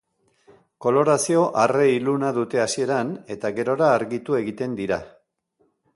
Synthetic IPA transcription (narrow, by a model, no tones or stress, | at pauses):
ko̞lo̞ɾasio̞ʔare̞ilunaðut̪e̞asie̞ɾane̞t̪aɣe̞ɾo̞ɾaːɾɣit̪ue̞ɣit̪e̞nd̪iɾa